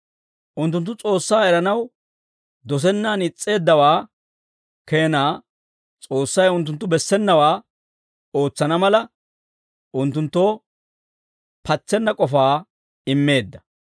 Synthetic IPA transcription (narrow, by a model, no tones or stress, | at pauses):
ʔʊnt̪ːʊnt̪̬ːʊt͡sʼo̞ːsːaːɛɾɐnɐw | d̪ɔs̬ɛnːaːnɪt͡sʼːe̞ːd̪ːɐwaː | ke̞ːnaː | t͡sʼo̞ːsːɐjʊnt̪̬ːʊnt̪ːʊbɛsːɛnːɐwaː | o̞ːt͡sːɐnɐmɐlɐ | ʔʊnt̪̬ːʊnt̪ːoː | pʰɐt͡sːɛnːɐkʼɔfaː | ɪmːe̞ːd̪ːɐ